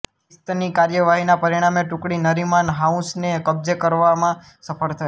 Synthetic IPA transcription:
st̪nikaɾjəʋaɦinapəɾiɽ̃ameʈʊkɽinəɾimanɦaũsnekəbzekəɾʋamã | səpʰəɭt̪ʰə

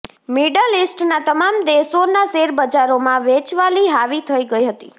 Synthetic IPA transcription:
miɖəlisʈnat̪əmamd̪eʃonaseɾbəd͡ʒaɾomãʋet͡ʃʋaliɦaʋit̪ʰəiɡəiɦət̪ḭ

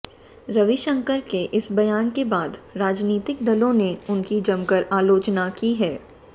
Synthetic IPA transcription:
ɾɐʋiʃə̃ŋkəɾkeʔɪsbɐjaːnkebaːd̪ɾaːd͡ʒniːt̪ɪk̚d̪ɐlõneʊnkid͡ʒɐmkəɾaːloːt͡ʃnakiɦɛː

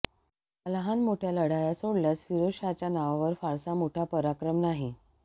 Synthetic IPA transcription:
əlɦanmoʈʰjaləɽajasoɽljasfiɾoɕat͡ɕjanaʋaʋəɾfaɾsamoʈʰapəɾakɾəmnaɦi

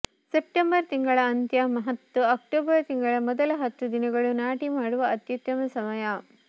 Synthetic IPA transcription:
sep̚ʈembɐɾt̪iŋɡɐɭɐːnt̪jɐmɐɦɐt̪ːuɐk̚ʈoːbɐɾt̪iŋɡɐɭɐmɔd̪ɐlɐɦɐt̪ːud̪inɐɡɐɭunaːʈimaːɽuʋɐɐt̪jut̪ːɐmɐsɐmɐja

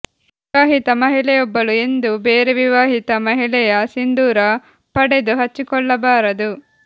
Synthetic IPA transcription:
ʋiaːɦit̪ɐmɐɦilɛjɔbːɐluend̪ubeːɾeʋiʋaːɦit̪ɐmɐɦilɛjɐsind̪uːɾɐ | pɐɽed̪uɦɐt͡ʃːikɔɭːɐbaːɾɐd̪u

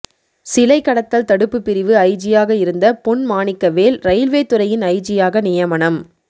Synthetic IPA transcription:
sɪlɐɪkːɐɽɐt̪ːɐlt̪ɐɽɯpːɯpːɪɾɪʋɯɐɪt͡ʃɪjaːɣɐɪɾɯnd̪ɐpʊɳmaːɳɪkːɐʋeːlɾɐjɪlʋeːt̪ːɯɾɐjɪnɐɪt͡ʃɪjaːɣɐnɪjɐmɐɳɐm

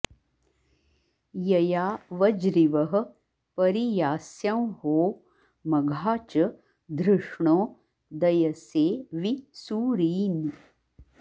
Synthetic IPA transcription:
jɐjaːʋɐd͡ʒɾiʋɐɦɐ̆ | pɐɾijaːsjɐmɦoː | mɐɡʱaːt͡ʃɐ | d̪ɾɨʂɳoː | d̪ɐjɐseːʋisuːɾiːni

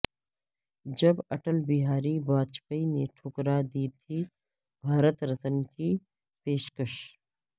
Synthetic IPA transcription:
d͡ʒɐbɐʈəlbiɦaːɾibaːd̪̚t͡ʃpəineʈʰʊkɾaːd̪iːt̪ʰi | bʱaːɾət̪ɾɐt̪ənkʰi | peːʃkɐʃ

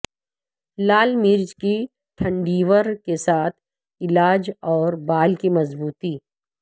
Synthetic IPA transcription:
laːlmɪɾd͡ʒki | ʈʰɐ̃ɳɖiːʋəɾkesaːt̪ʰ | ɪlaːd͡ʒɔːɾbaːlkimɐzbuːt̪iː

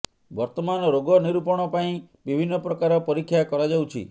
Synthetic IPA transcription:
bɔɾt̪ɔmanɔɾoɡɔniɾupɔɽ̃ɔpaĩ | bibʱinːɔpɾɔkaɾɔpɔɾikʰːjakɔɾad͡ʒawt͡ʃʰḭ

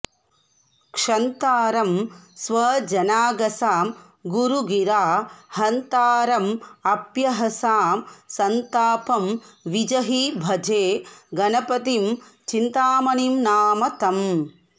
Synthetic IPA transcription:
kʂɐnt̪aːɾɐmsʋɐd͡ʒɐnaːɡɐsaːm | ɡuɾuɡiɾaːhɐnt̪aːɾɐmɐpjɐɦɐsaːmsɐnt̪aːpɐmʋid͡ʒɐɦibʱɐd͡ʒeːɡɐnɐpɐt̪imt͡ʃint̪aːmɐnimnaːmɐt̪ɐm

